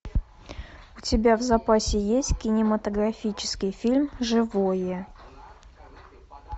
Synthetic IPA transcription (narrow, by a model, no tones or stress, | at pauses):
ʊtʲɪbʲavzɐpasʲɪjesʲtʲkʲɪnʲɪmət̪əɡɾɐfʲit͡ɕɪ̥skʲɪjfʲilʲmʐɨvojə